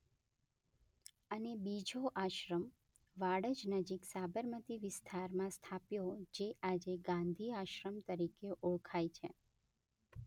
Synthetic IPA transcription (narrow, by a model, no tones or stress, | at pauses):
ənebid͡ʒoʔaʃɾəm | ʋaɽəd͡ʒnəd͡ʒiksabəɾmət̪iʋɪst̪ʰaɾmãst̪ʰapjod͡ʒeʔad͡ʒeɡãnd̪ʱiaʃɾəmt̪əɾikeʔuɭkʰajt͡ʃʰe